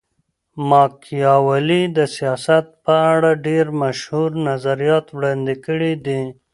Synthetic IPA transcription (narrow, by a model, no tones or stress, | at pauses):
mɑkʰijɑwalid̪əsijɑsat̪̚pəaɽaɖeɾmaʃhuɾnazaɾijɑt̪wɽɑnd̪ikəɽid̪i